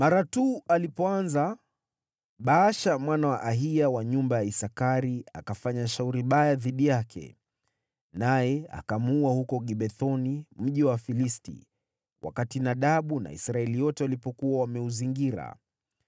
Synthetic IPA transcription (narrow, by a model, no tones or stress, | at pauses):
maɾatuːalipɔanza | ɓaːʃamwanawaʔaɦijawaɲumbajaisakaɾiakafaɲaʃauɾiɓajaðiɗijakʰɛ̰ | najɛa̰kamuuahukɔɡiɓɛθɔnim̩ʄiwafilistḭ | wʔa̰katinaɗaɓuna̰ḭsɾaɛlijɔtɛalipɔkuwawamɛuziŋɡiɾa̰